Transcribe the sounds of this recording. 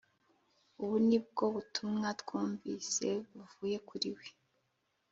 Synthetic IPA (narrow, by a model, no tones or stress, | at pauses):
uβunib̚ɡo̞βutʰumŋatkuːɱviːse̞βuvuːje̞kuɾiwe̥